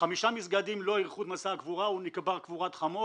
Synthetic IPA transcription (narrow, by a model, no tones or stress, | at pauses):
χamiʃamisɡad̪imlo̞iʁχut̪masakvuʁaunikbaʁkvuʁat̪χamo